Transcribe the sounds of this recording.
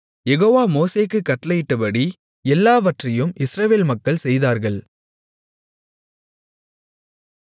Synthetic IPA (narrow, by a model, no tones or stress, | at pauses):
jɛɣoːʋaːmoːseːkːɯkːɐʈlɐjɪʈːɐpɐɽi | ɛlːaːʋɐʈrɐjɯmʔɪsɾɐʋeːlmɐkːɐɭsɛjðaːɾɣɐɭ